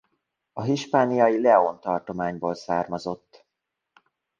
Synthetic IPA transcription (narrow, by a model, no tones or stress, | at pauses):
ɒɦiʃpaːnijɒjilɛont̪ɒrt̪o̞maːɲboːlsaːrmɒzo̞t̪ː